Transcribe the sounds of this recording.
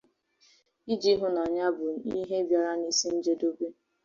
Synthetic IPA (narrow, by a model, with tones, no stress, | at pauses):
i˦d͡ʒi˦ɦʊ˦na˨ɲa˦bʊ˨i˦ɦe˦bja˨ɾa˦ni˦si˦n̩˦d͡ʒe˦do˦be˦